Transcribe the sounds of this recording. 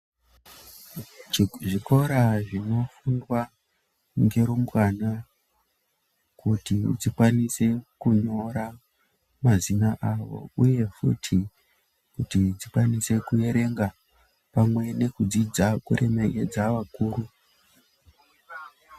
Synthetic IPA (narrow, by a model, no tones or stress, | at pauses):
ʐiko̞ɾaʐino̞fundwa | ŋɡe̞ɾomukana | kutid͡zikwanise̞kuɲo̞ɾa | mazinaʔaʋo̞̰uje̞fṵtʰi | kutid͡zikwanise̞kuje̞ɾe̞ŋɡa | pamwe̞ne̞kud͡zid͡zakuremeke̞d͡zaʋakuːɾu